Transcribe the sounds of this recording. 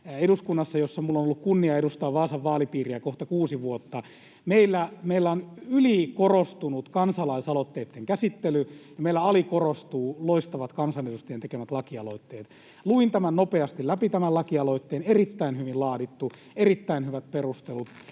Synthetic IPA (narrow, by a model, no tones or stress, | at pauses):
eduskunːɑsːɑjosːɑmulːonolːukkunːiɑedust̪ɑːʋʋɑːsɑʋʋɑːlipiːriækoht̪ɑkuːsiʋuot̪ːɑ | meilːæmeilːæonylikorost̪unut̪kɑnsɑlɑisɑlot̪ːeːt̪ːeŋkæsit̪ːelyjɑmeilːæɑlikorost̪uːloist̪ɑʋɑt̪kɑnsɑnedust̪ejent̪ekemæt̪lɑkiɑloit̪ːeːt̪ | luint̪æmænnopeɑst̪ilæpit̪æmælɑkiɑloit̪ːeːnerit̪ːæinhyʋillɑːdit̪ːu | erit̪ːæinhyʋæt̪̚perust̪elut̪